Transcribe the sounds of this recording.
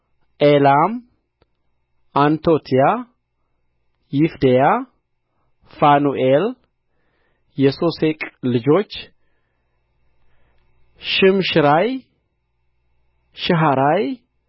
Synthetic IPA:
ʔelam | ant̪ʰot̪ʰija | jɪfd̪eja | fanuʔel | jɛsosekʼlɨd͡ʒo̞t͡ʃː | ʃɪmʃɪɾaj | ʃɪɦaɾaj

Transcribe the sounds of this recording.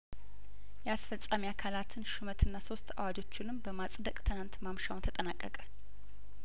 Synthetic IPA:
jɛasfəsʼːamiakʰalat̪ʰɨnʃumət̪ʰɨnːaso̞st̪ʰa̰wad͡ʒo̞t͡ʃːɪnɨmbəmasʼd̪əkʼt̪ʰɨnant̪mamʃawnt̪ʰət̪ʼənakʼːəkʼə

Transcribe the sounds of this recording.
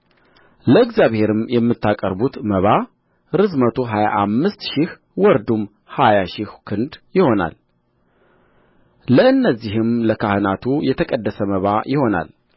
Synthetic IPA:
ləɨɡzjaβhe̞ɾɨmjɛmːɨt̪ːakʼəɾbut̪məβa | ɾɨzmət̪ʰo̞ɦaja̰ʔamːɨst̪ʃɪh | wɔɾd̪um | hajaʃɪhkʰɨnd̪jɪho̞na̰l | ləɨnːəzːiɦɨmləkʰahɨnat̪ʰujɛt̪ʰəkʼəd̪ːəsəməβajɪho̞na̰l

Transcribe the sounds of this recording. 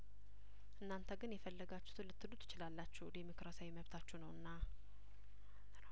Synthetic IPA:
ʔɨnːant̪ʰəɡɨnjɛfəlːəɡat͡ʃːɛ̥t̪ʰɨlɨt̪ːɨlut̪jɪt͡ʃɪlalːat͡ʃːɛwd̪emo̞kɾasawjiməβt̪ʰat͡ʃːɛnəwɨnːa

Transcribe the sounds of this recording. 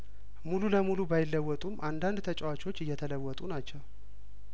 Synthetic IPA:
mululəmulubajɪlːəwːɔt̪ʼumʔand̪and̪t̪ʰət͡ʃʼɛwat͡ʃʼo̞t͡ʃːɨjːɛt̪ʰələwːɔt̪ʼunat͡ʃːɛw

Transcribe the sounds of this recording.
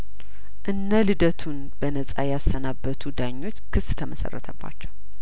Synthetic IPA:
ʔɨnːəlɨd̪ət̪ʰun | b̥ənəsʼajasːənabːət̪ʰud̪aɲːo̞t͡ʃːkʰɨsːt̪ʰəməsə̰rːə̰t̪ʰəbːa̰t͡ʃːɛw

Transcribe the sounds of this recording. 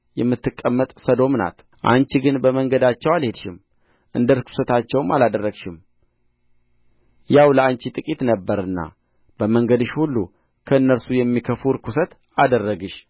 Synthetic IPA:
jɛmːɨt̪ːɨkʼːəmːət̪ʼsəd̪o̞mna̰t̪ | ʔa̰nt͡ʃiɡɨnbəməŋɡəd̪at͡ʃːɛwalhe̞d̪ʃɪm | ʔɨ̰nd̪əɾkʰu̥sət̪ʰat͡ʃːɛwmalad̪ərːəɡʃɪm | jawləant͡ʃit̪ʼɨkʼit̪nəbːəɾɨnːa̰ | b̥əməŋɡəd̪ɨʃhulːu | kʰəɨnːəɾsujɛmːikʰəfuɾkʰusət̪ | ad̪ərːəɡɨʃ

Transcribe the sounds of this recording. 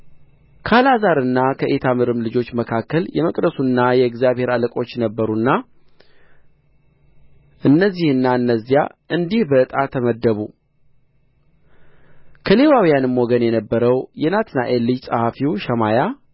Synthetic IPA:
kʰəalazaɾɨnːakʰəʔet̪ʰamɨɾɨmlɨd͡ʒo̞t͡ʃːməkʰakːəljɛməkʼd̪əsunːajɛɨɡzjaβhe̞ɾaləkʼo̞t͡ʃːnəbːəɾunːa | ʔɨnːəzːihɨnːaɨnːəzːijaʔɨnd̪ihbət̪ʼat̪ʰəməd̪ːəβu | kʰəle̞wawijanɨmːo̞ɡənjɛnəbːəɾəwjɛnat̪ʰnaʔelːijsʼəhafiwʃəmaja

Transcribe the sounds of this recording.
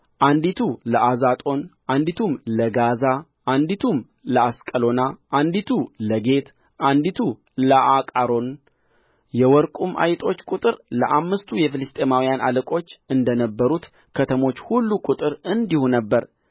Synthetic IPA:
ʔand̪it̪ʰuləʔazat̪ʼo̞nʔand̪it̪ʰumləɡaza | ʔand̪it̪ʰum | ləaskʼəlo̞naʔand̪it̪ʰuləɡe̞t̪ | ʔand̪it̪ʰu | ləʔakʼaɾo̞n | jɛwɔɾkʼumʔa̰jt̪ʼo̞t͡ʃːkʼut̪ʼɨɾləʔamːɨst̪ʰujɛfɨlɨst̪ʼe̞mawijanʔa̰ləkʼo̞t͡ʃːɨnd̪ənəbːəɾut̪ | kʰət̪ʰəmo̞t͡ʃːhulːukʼʊt̪ʼɨɾɨnd̪ihunəbːəɾ

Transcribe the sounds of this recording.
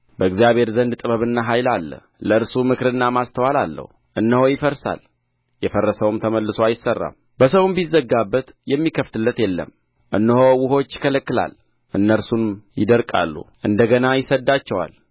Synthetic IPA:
bəɨɡzijaβhe̞ɾzənd̪t̪ʼɨβəβɨnːaɦajlalːə̰ | ləɨɾsumɨkɾɨnːamast̪ʰəwalalːə̰hu | ʔɨnːəhojɪfəɾsa̰l | jɛfərːəsəwmt̪ʰəməlːɨsoajɪsərːa̰m | b̥əsəwnbizːəɡabːət̪jɛmːikʰəft̪ɨlːət̪jɛlːə̰m | ʔɨnːəhowʊho̞t͡ʃːɪ̥kʰələkːɨla̰l | ʔɨnːəɾsunjɪd̪əɾkʼa̰lːṵʔɨnd̪əɡənajɪsəd̪ːat͡ʃːɛwa̰l

